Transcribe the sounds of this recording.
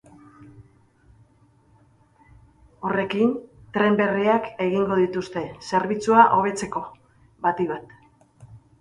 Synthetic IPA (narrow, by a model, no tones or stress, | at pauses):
o̞re̞kint̪ɾe̞mbe̞riake̞ɣ̞iŋɡo̞ðit̪ust̪e̞se̞ɾβit͡suaʔo̞β̞e̞t͡se̞ko̞ | βat̪iβat̪